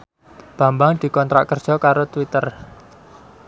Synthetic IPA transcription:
b̥ä̤mbaŋd̪̥i̤kɔnt̪ɾʔa̰ʔkːərd̥ʒ̥ɔ̤kaɾot̪wit̪ər

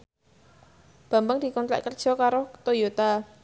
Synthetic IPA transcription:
b̥a̤mbəŋd̪̥i̤kɔnt̪la̰ʔkərd̥ʒ̥ɔ̤kaɾot̪ojot̪a

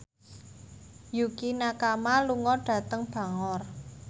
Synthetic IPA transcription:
jukinakamaluŋɔɖ̥ä̤t̪əŋb̥a̤ŋɔr

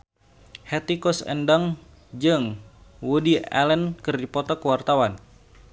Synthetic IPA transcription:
hɛt̪ikɔsə̰ndaŋ | d͡ʒɨŋwudia̰lənkɨrdipɔt̪ɔkəwart̪awan

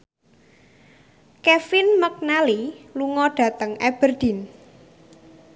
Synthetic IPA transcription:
kɛfɪnmək̚naliluŋɔɖ̥ä̤t̪əŋɛb̥ərd̪̥in

